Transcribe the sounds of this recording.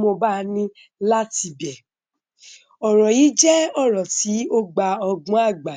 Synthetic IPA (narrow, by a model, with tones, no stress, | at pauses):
mo˧ba˦nĩ˦ | la˦ti˧bɛ˨ | ɔ˨ɾɔ˨ji˨˦d͡ʒɛ˦ɔ˦˨ɾɔ˨ti˨˦o˦ɡ͡ba˧ɔ˧ɡɔ̃˨˦a˦˨ɡ͡ba˨